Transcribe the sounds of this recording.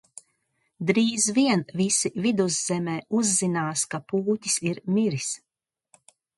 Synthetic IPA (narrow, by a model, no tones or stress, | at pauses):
d̪ɾiːzviɛnvisivid̪uzz̥ɛmɛːuzːinaːskapuːt̪ʲi̥siɾmiɾis